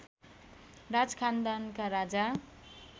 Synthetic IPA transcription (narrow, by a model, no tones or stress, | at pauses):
rad͡zkʰand̪ankaɾad͡za